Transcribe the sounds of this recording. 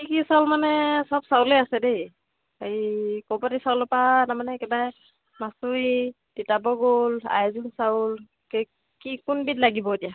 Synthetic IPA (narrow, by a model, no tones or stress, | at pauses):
ikisawlmanɛsɔpsawlejasɛdej | aɹikɔpatisawlɔpanamanɛkɛbaj | masui | ditabɔɡola̰jzunsaʊl | ke | kikunbitlaɡibɔdija